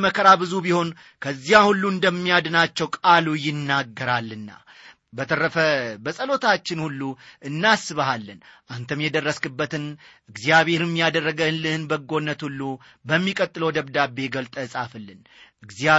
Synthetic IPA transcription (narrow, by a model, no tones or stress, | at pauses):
məkʰəɾabɨzubiho̞n | kʰəzːijahulːuɨnd̪əmːijad̪nat͡ʃːɛwkʼalujɪnːaɡːəɾalːɨnːa̰ | bət̪ʰərːəfəbəsʼəlo̞t̪ʰat͡ʃːɪnhulːuʔɨnːasɨβahalːɨnʔant̪ʰəmjɛd̪ərːəskɨbːət̪ɨnʔɨɡzijaβe̞ɾɪmːijad̪ərːəɡəɨnlɨhɨnbəɡo̞nːət̪hulːu | bəmːikʼət̪ʼːɨləwd̪əβd̪abːe̞ɡəlt̪ʼəɨsʼafɨlːɨn | ɨɡzia